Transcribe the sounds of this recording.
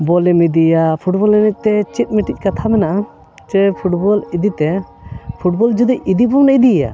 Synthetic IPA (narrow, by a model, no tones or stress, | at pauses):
bɔlɛmid̪ijapʰuʈbɔlɛnɛc̚ˀt̪ɛt͡ʃit̪̚miʈic̚ˀkat̪ʰamɛnaʔa | t͡ʃɛpʰuʈbɔlid̪it̪ɛ | pʰuʈ̚bɔld͡ʒud̪icid̪ibɔmɛnaʔid̪ija̰